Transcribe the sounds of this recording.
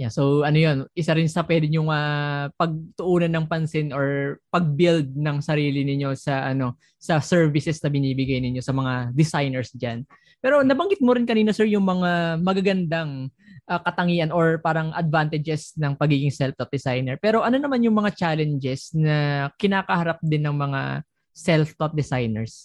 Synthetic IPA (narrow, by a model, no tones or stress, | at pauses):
jaso̞wʔɐnojo̞nʔɪsaɾɪnsɐpwɛd̪ɪɲjʊŋɐpɐɡ̚t̪ʊʔuːnɐnːɐŋpɐnsɪnʔoɹpɐɡ̚bɪld̪̚nɐŋsɐɾiːlɪnɪɲːo̞sɐʔɐno̞ | sɐsɛɹvɪsɛsnɐbɪniːbɪɡajnɪɲːo̞sɐmɐŋad̪ɪsajnɛɹsd͡ʒan | pɛːɾo̞nɐbɐŋɡɪt̪̚moɾɪnkɐniːnɐsɛɹjʊŋmɐŋamɐɡaɡɐnd̪aŋʔɐkɐt̪ɐŋiːʔɐnʔoɹpaːɾɐŋʔɐd̪̚vant̪ɪd͡ʒɛsnɐŋpɐɡiːɡɪŋsɛlft̪ot̪̚d̪ɛsajnɛɹpɛːɾo̞ʔɐno̞nɐmanjʊŋmɐŋat͡ʃaːlɛnd͡ʒɛsnɐkɪnaːkɐhɐɾap̚d̪ɪnːɐŋmɐŋa̰ | sɛlft̪ot̪̚d̪ɛsajnɛɹs